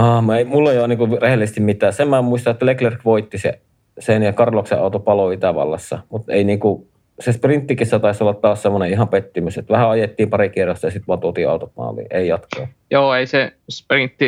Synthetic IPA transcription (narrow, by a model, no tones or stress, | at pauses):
ɑːmeˑimulːejoˑniːŋkurehelːˑisest̪immit̪ˑæːsemmæmuist̪ɑet̪ːæleklerkʋoit̪ːisḛ | senjɑkɑrloksḛʔɑˑut̪opɑloit̪æʋɑ̰lːɑ̰sːɑmut̪ḛˑiniːŋku | sesprint̪ːikisːæt̪ɑˑisolːɑt̪tæːssemːoneʔihɑmpet̪ːimyset̪ʋæhæɑjet̪ːiːmpɑrikirost̪ːɑjɑsit̪ʋuɑːt̪uot̪iːɑ̰ˑut̪ot̪mɑ̰ːlˑḭːeˑijɑt̪ko̰ː | joːeˑisesprint̪ːi